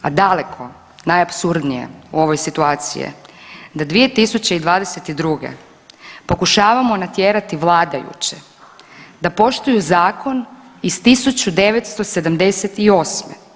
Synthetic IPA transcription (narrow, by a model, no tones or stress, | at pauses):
ad̪ale̞kʰo̞ | najapsuɾd̪nije̞̰uo̞ʋo̞jsit̪uaːt̪sḭjḛd̪ad̪ʋije̞t̪isut͡ɕeid̪ʋaːd̪eset̪id̪ɾuɡḛ | po̞kuʃaːʋamo̞nat̪jeːɾat̪iʋlˠaːd̪ajṵt͡ɕe | d̪apo̞ʃt̪ujuzaːko̞nist̪isut͡ɕud̪e̞ʋet̪st̪o̞se̞d̪amd̪e̞set̪io̞ːsme